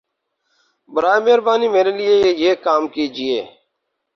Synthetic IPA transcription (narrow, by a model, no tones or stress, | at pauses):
bəɾaːemeːɾbaːniːmeːɾeːlɪeːjeːkaːmkiːd͡ʒɪḛː